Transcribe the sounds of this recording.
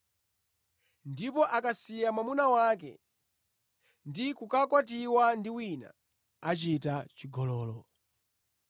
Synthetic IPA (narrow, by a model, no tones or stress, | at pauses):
ndipɔʔakasijamwamunawak̬ɛ̰ | ndikukakwatiwandiwina̰ː | t͡ʃitat͡ʃiɡɔlɔːlɔ